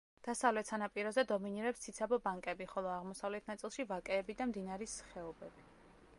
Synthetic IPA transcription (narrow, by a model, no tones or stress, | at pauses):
d̪̥asavlɛt̪ʰsanapʼiɾɔzɛd̪ɔminiɾɛpst̪sʰit̪sʰabɔbaŋkʼɛbiχɔlˠɔaʁmɔsavlɛt̪ʰnat̪sʼilˠʃivakʼɛːbid̪amd̪inaɾisχɛɔbɛbi